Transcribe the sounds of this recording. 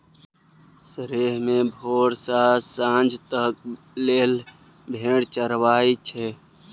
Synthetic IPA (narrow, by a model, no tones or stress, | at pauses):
səɾeːɦmẽbʱoːɾsasãːnd͡ʒʱt̪ək̚ | leːl | bʱeːɽt͡ʃəɾʋaːit͡ʃʰɛ